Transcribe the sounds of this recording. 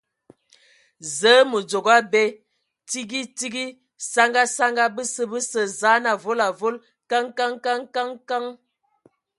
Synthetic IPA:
zə˨˦mə˨d͡zo˨ɡa˦bɛ˦ | ti˦ɡi˦ti˦ɡi˦ | sa˦ŋɡa˦sa˦ŋɡa˦bə˦sə˦bə˦sə˨za˨˦na˨vo˦la˨vo˦l | ka˦ŋka˦ŋka˦ŋka˦ŋka˦ŋ

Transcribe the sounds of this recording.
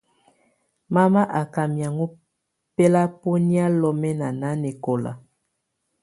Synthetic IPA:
ma˦ma˦ʔa˨ka˨mja˨ŋo˦ | pɛ˦la˦po˦ni˦a˦lɔ˦mɛ˦na˨na˨˦ne˨ko˨la̰˨

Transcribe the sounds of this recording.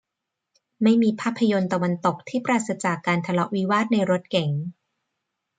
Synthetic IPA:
ma˥˩jmiː˧pʰaː˥˩pʰːa˧jo˧nt̪a˧wa˧nt̪o˨˩k̚t̪ʰiː˥˩pɾaː˨˧˩t̪̚sa˧t͡ɕaː˨˩kːaː˧nt̪ʰa˧lɔ˦˥ʔwi˦˥waː˥˩t̪̚na˧jɾo˦˥t̪̚kɛ˨˩˦ŋ

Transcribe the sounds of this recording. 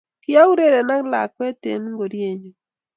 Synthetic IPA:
kɪ˦a˦u˦ɾe˦ɾe˨na˦ŋ˦la̰˨kwɛ˦tḛ˨nu˦ŋɡo˨ɾje˦˨ɲo˨

